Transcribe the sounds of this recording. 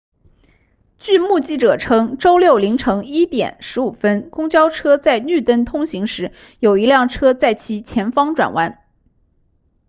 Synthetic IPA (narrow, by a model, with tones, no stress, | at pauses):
t͡ɕy˥˧mu˥˧t͡ɕi˥˩ʈ͡ʂɤ˨˩ʈ͡ʂʰɤ˥ŋʈ͡ʂo˥ʊljo˥˩ʊli˧˥ŋʈ͡ʂʰɤ˧˥ŋi˥t̪jɛ̰˨˩nʂɻ̩˧˥u˨˩fə˥nkʊ˥ŋt͡ɕjɑ˥ʊʈ͡ʂʰɤ˥t͡sa˥˧ɪny˥˩t̪ə˥˩nt̪ʰʊ˥ŋɕi˧˥ŋʂɻ̩˧˥ | jo˨˩ʊi˧˥ljɑ˥˩ŋʈ͡ʂʰɤ˥t͡sa˥˩ɪt͡ɕʰi˧˥t͡ɕʰjɛ˧˥nfɑ˥ŋʈ͡ʂwa̰˨˩nwa˧˥n